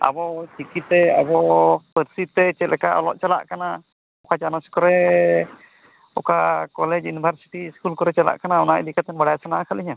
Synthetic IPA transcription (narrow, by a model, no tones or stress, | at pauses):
a̰bɔt͡ʃikit̪ːɛa̰bɔpəɾsit̪ːɛt͡ʃɛt̪̚lʔɛkaʔɔlɔʔt͡ʃala̰ʔkana | ɔkad͡ʒanaskɔɾɛ | ɔkakɔlɛd͡ʒunibʱaɾsi̥ʈiskulkɔɾɛt͡ʃala̰ʔkanaɔnaid̪ikat̪ɛnbəɽajsanaʔakʰaliɲa